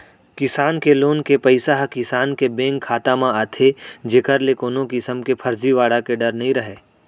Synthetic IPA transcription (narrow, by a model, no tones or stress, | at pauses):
kɪsaːnkeloːnkepɐɪsaɦkɪsaːnkebẽːŋkkʰːaːt̪amãaːt̪ʰed͡ʒeːkəɾlekoːnõkɪsəmkepʰɐɾd͡ʒiʋaːɽakeɖɐɾnɐɦĩɾɐɦeː